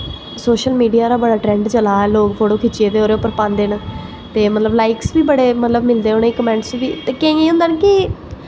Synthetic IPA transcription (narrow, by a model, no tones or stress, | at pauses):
soːʃəlmiːɖijaːɾaːbəɽaːʈɾɛ̃ːɳɖt͡ʃəlaːɛːloːkpʰoːʈoːkʰɪt͡ʃieːd̪eːoːɾeʊpːəɾpãːnd̪eːnə | t̪eːmət̪ləblaːɪksbiːbəɽeːmət̪ləbmɪld̪eːoːniːkəmɛ̃ːɳʈsʋiːt̪eːkẽẽːɦʊ̃nd̪aːnkɪ